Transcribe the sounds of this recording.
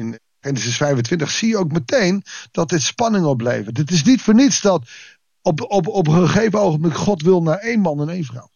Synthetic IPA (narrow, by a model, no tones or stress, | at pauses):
ɪn | χejnəsɪsfɛjvəntʋɪntəχsijəowk̚mətejnd̥ɑt̚dɪtspɑnɪŋəɔblḛjvədɪtɪs̬nitfəːɹnitsdɑt | ɔpɔpɔpχəχejvəowχənblɪkχɔtʋɪlˠnaːɹejnmɑnɛnejnvrʌ̰w